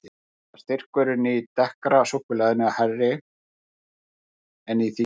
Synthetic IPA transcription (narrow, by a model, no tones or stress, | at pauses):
ast̪ɪr̥kʏɾʏniit̪ɛhkɾasohkʏlɛðɪnɪaharːɪ | ɛniθi